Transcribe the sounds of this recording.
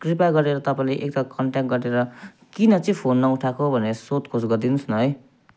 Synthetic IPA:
kripaɡʌɾeɾʌt̪ʌpaĩleʔekt̪ʌkʌɳʈakʈɡʌɾeɾʌ | kinʌt͡sĩpʰonːʌuʈʰakobʱʌneʌsot̪kʰosɡʌrd̪inusnʌɦʌj

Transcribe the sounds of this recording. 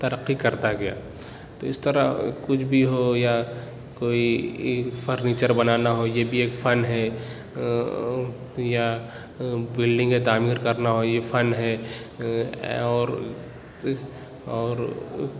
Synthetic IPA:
t̪ɐɾəqːikɐɾt̪aɡɐja̰ː | t̪oːɪst̪əɾa̰kʊt͡ʃʰbʱiɦoja | koːi | fʰəɾniːt͡ʃəɾbɐnaːnaɦojebʱieːkfɐnɦɛ | ja | bɪlɖɪ̃ŋɡmet̪aːmiːɾkɐɾnaɦojefʰɐnɦɛ | ɔːɾ | ɔːɾ

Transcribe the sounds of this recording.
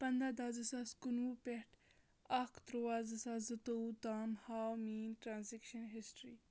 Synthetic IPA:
pɐnd̪ad̪aːzɨsaskunupeʈ | akt̪ɾwaːzɨsazɨt̪out̪aːmhawmiːnʈɾaːnzikʃɐnɦisʈɾi

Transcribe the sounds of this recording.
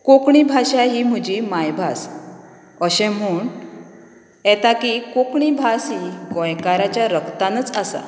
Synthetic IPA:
kokɳ̃ibʱaɕaɦim̤ud͡ʑimajbʱas | əɕɛ̃m̤uːɳ | ɛt̪akikokɳibʱasiɡɔ̃jkaɾat͡ɕjaɾəkt̪anət͡sasa̰

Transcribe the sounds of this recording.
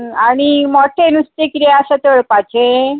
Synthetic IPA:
aɽ̃imɔʈʰenusʈ̪ikɾeasat̪eɭpat͡ɕʰe

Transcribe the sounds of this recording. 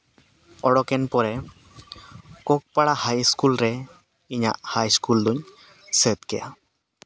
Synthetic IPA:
ɔɽɔkɛnpɔɾɛ | kɔk̚paɽahajskulɾɛ | iɲa̰ʔhajskuld̪uɲ | sət̪kɛja̰

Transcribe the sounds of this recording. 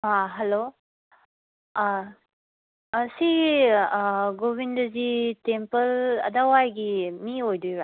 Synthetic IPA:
ɦaɦelo | si | ɡobindɐzitempɐlɐ̰dawajɡimiojdujɾa

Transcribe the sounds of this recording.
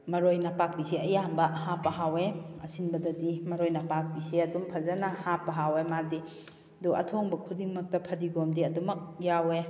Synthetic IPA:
mɐɾojnɐpak̚bisiɐjambɐhapɐɦaweɐsinbɐdɐdimɐɾojnɐpak̚biseɐdumpʰɐzɐnɐhapɐɦawemadi | duɐ̰tʰoŋbɐkʰudiŋmɐk̚tɐpʰɐdiɡomdiɐdumɐk̚jawe

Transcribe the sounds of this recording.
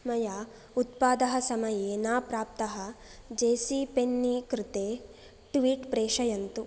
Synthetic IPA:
mɐja | ut̪̚paːd̪ɐɦɐsɐmɐjeːnaːpɾaːp̚t̪ɐɦɐd͡ʒeːsipenːikɾɪt̪eː | ʈʋiːʈpɾeːʂɐjɐnt̪u

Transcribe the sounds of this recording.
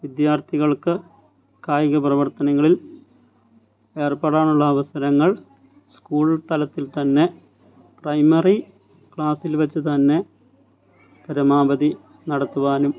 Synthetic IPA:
ʋid̪jaːrt̪ʰiɣɐɭkɨ | kaːjɣɐprɐʋɐrt̪ɐnɐŋːɐɭil | e̞ːrpaːɽaːɳuɭːɐːʋɐsɐɾɐŋːɐɭ | skuːɭt̪ɐlɐt̪ːilt̪ɐnːe̞ | prɐjmɐri | kɭaːsilʋɐt͡ɕːɨt̪ɐnːe̞ | pɐɾɐmaːbɐði | nɐɽɐt̪ːuʋaːnum

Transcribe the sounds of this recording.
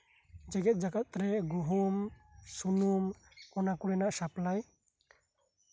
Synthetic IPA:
d͡ʒɛɡɛt̪̚d͡ʒaɡat̪̚ɾɛɡuɦum | sunum | ɔnakuɽɛnaʔsaplaj

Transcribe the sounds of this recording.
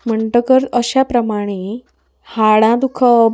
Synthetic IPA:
m̤əɳʈəkəɾt̪əɕapɾəmaɽ̃e | haɽãd̪ukʰəb

